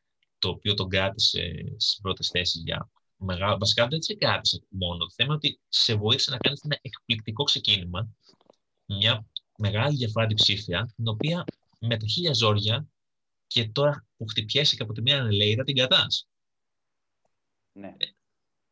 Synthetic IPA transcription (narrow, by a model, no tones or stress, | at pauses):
t̪o̞ːpio̞t̪o̞ɡɾɐt̪ise̞̰st̪i̥sbɾo̞t̪e̞sθe̞sizʝɐ̰ | meɣɐvɐsi̥kɐðeseɡɾɐt̪i̥se̞mo̞not̪oθemenot̪ise̞vo̞iθi̥senɐkɐnisenɐʔe̞kplik̚t̪iko̞kse̞cinimɐ | mɲɐ | me̞ɣɐliðʝɐfoɾɐt̪̬ipsifiɐt̪ino̞piɐ | me̞t̪ɐçiʎɐzo̞ɾʝɐ | ce̞t̪o̞ɾɐpuxt̪ipçe̞sicepo̞t̪̬imɲɐːnele̞iðɐt̪iŋɡɐt̪ɐs | n